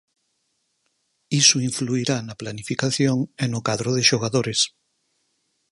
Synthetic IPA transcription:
isuiɱfluiɾanɐplanifikaθjoŋenokaðɾoðeʃoɣaðoɾes

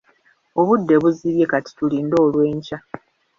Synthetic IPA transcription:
o̞βudːe̞βuziɾje̞kati̥tuliːndo̞ːlwe̞ːɲca

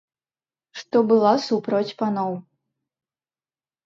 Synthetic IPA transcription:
ʂt̪ɔbɨlˠasupɾɔt͡sʲpanɔw

